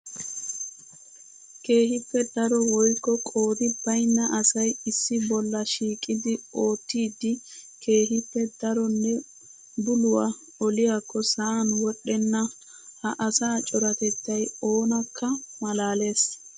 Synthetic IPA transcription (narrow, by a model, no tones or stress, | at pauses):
ke̞ːhɪpːɛd̪ɐɾɔwɔjkːɔkʼo̞ːd̪ɪbɐjnːɐʔɐsɐjɪsːɪbɔlːɐʃiːkʼːɪd̪ɪo̞ːt̪ːiːd̪ɪkʰe̞ːhɪpːɛd̪ɐɾɔnːɛ | bʊlʊwa | ɔlɪjakːɔsɐanwɔɗːɛnːɐ | hɐʔɐsaːt͡ʃʼɔɾɐt̪ɛt̪ːɐjo̞ːnɐkʰːɐmɐlaːle̞ːs